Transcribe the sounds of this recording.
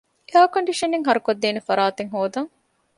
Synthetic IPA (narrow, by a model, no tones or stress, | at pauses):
eaːkɐɳɖiʃɐneŋɦɐɾukod̪ːeːnefɐɾaːt̪eŋɦoːd̪ɐŋ